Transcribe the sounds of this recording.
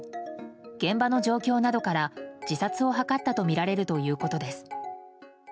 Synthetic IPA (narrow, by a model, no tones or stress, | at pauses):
ɡ̥ẽ̞mbano̞ʑo̞ːkʲo̞ːnad̪o̞kaɾad͡ʑisat͡sɨo̞ɦakat̪ːat̪o̞mʲiɾaɾe̞ɾɯ̟t̪o̞jɯ̟ːko̞t̪o̞d̪e̞sɨ̥